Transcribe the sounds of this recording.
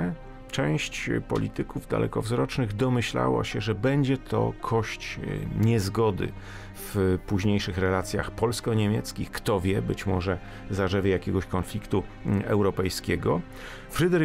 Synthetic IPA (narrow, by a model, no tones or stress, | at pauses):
t͡ʂɛ̃w̃ɕt͡ɕpɔ̰lʲḭt̪ɘkuvd̪a̰lʔɛ̰kɔvzɾɔt͡ʂnɘɣd̪ɔmɘɕla̰wa̰ɕɛʐɛbɛɲd͡ʑɛt̪ʰɔ̰kʰɔɕt͡ɕɲɛzɡɔd̪ɘ̰ | fpuʑɲejʂɘxɾɛlat̪sʲja̰xpɔlskɔɲemʲjɛt̪skʲixkt̪ɔvʲjɛbɘt͡ɕmɔʐɛ | zaʐɛvʲjɛjakʲɛɡɔɕkɔnflʲikt̪uɛwɾɔpɛjskʲɛɡɔ | fɾɘd̪ɛɾ